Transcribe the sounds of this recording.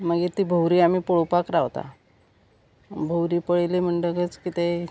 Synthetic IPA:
məɡet̪iːbʱəwɾiːam̤iːpoɭupakɾaʋt̪a̰ | bʱəwɾiːpəɭelim̤əɳʈəkət͡skit̪e

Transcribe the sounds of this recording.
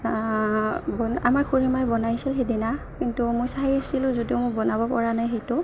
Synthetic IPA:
bɔnamaɹkʰuɹimajbɔnajsilɦejdina | kintumʊjsaɦajasilʊ̃zodiʊmʊbɔnabɔpɔɹanajɦejtʊ

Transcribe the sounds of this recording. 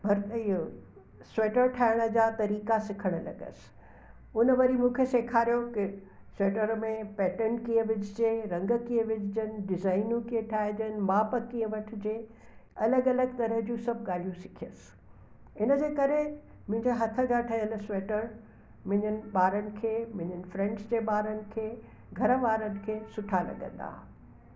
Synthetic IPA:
bʱɐɾt̪io | sweːʈəɾʈʰaːɦɪɽ̃ə̆d͡ʑaːt̪ɐɾiːkasɪkʰəɽ̃lɐ̰ɡə̰sɪ̥ | ʊnəʋɐɾimũːkʰeseːkʰaːɾijokɪ | sweːʈəɾmẽpɛːʈəɳkijə̃ʋɪd͡ʑd͡ʑeːɾɐ̃ŋɡkiə̃ʋɪd͡ʑɪd͡ʑənɪ̆ɖɪzaːɪnũkiə̃ʈʰaːɦɪd͡ʑənɪ̆maːpəkiə̃ʋɐʈʰɪ̆d͡ʑeː | ɐləɡɐləɡ̚t̪ɐɾəɦd͡ʑũːsɐb̚ʱɠaːl̤ijũsɪ̥kʰiəsɪ̥ | ɪnəd͡ʑeːkɐɾe | mʊ̃ɦɪ̃ɲd͡ʑaɦɐt̪ʰə̆ɡ̪aːʈʰɐjəlseːʈəɾ | mʊ̃ɦɪ̃ɲənɪ̆ɓaːɾənɪ̆kʰeːmʊ̃ɦɪ̃ɲənɪ̆fɾɛ̃ɳɖsd͡ʑeːɓaːɾənɪ̆kʰeː | ɡʱɐɾəʋaːɾənɪ̆kʰeːsʊʈʰalɐ̰ɠə̰̃nd̪a̰ː

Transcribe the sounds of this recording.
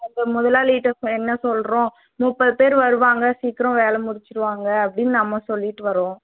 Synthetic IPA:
ɐŋɡɐmʊðɐlaːliːʈːɐsɛnːɐsɔlɾõː | mʊpːɐðɯpeːɾʋɐɾɯʋaːŋɡɐsiːkɪɾõʋeːlɐmʊɽɪt͡ʃːɪɾɯʋaːŋɡɐːpːɐɽɪnːɯnɐmːɐsɔlːɪʈːɯʋɐɾõː

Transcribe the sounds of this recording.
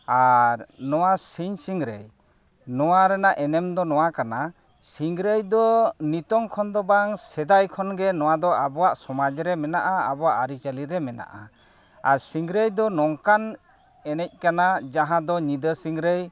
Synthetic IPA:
aɾnɔwasiɲsiŋɾḛj | nɔwaɾɛnaʔɛnɛmd̪ɔnɔwakana | siŋɾəjd̪ɔnit̪ɔŋkʰɔnd̪ɔbaŋsɛd̪ajkʰɔnɡɛnɔwad̪ɔʔabɔwaʔsɔmad͡ʒɾɛmɛnaʔa̰ːbɔwaʔaɾit͡ʃaliɾɛmɛna̰ʔa | aɾsiŋɾəjd̪ɔnɔŋkan | ɛnɛc̚ˀkanad͡ʒaɦãd̪ɔɲid̪əsiŋɾej

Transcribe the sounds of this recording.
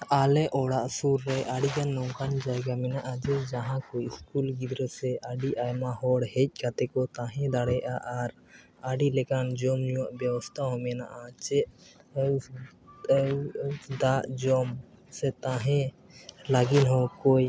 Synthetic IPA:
alɛʔɔɽaʔsuɾːɛʔaɽiɡanːɔwkand͡ʒaɛɡamɛnaʔad͡ʒɛd͡ʒaɦãkɔjiskulɡid̪ɾəsɛaɖiʔajmaɦɔɽhɛc̚ˀkat̪ɛkɔt̪ãɦɛ̃d̪aɽɛʔaʔaɾ | aɖilɛkand͡ʒɔmɲuwaʔbjɛwɔst̪ʰaɦɔ̃mɛna̰ʔat͡ʃɛʔ | d̪aʔd͡ʒɔm | sɛt̪ãɦɛ̃ | laɡinɦɔkoj

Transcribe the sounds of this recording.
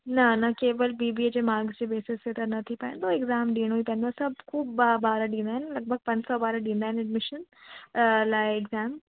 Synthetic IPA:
nɐnɐkeːʋəlbiːbied͡ʑeːmaːɾɡzd͡ʑeːbeːsɪstet̪ɐnɐt̪ʰipɐɪ̃nd̪oeɡzaːmɖiːɽ̃ɦuipɐ̃ːn̆d̪osɐbkʰuːbabaːɾaɗĩːnd̪aːɪnɪlɐɡ̚bʱəɡ̚pɐ̃ɲd͡ʑsɔːbaːɾaɖĩːnd̪aːɦɪnɛɖmɪʃən | laːɪɪɡzaːm

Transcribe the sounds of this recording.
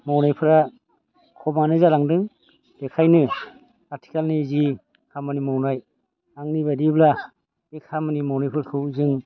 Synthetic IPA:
mawnajpʰɯɾa | kʰɔmanɯzalaŋdɯŋ | dekʰajnɯ | aɾtʰi̥kalnizi | kʰamanimawnaj | aŋniβadibla | ekʰamanimawnajpʰɯɾakʰɯwzɯŋ

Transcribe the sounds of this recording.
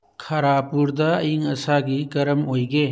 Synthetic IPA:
kʰɐɾapuɾd̪ɐːjiŋɐsaɡiɡɐɾəmojɡe

